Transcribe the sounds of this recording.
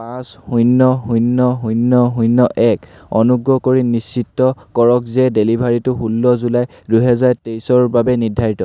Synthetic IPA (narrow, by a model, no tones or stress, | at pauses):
pãshujnːɔɦujnːɔɦujnːɔɦujnːɔʔɛk | ɔnuɡɹɔkoɹinisːitːɔkɔɹɔk̚zɛdelibʱaɹitʊɦulːɔzulaj | dujɦɛzaɹtejsɔɹbabɛnidʱːaɹitɔ